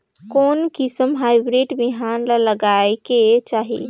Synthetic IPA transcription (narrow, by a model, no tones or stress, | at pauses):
konkisəmɦaɪbɾeɖbiɦanlaləɡaeket͡ʃaɦḭ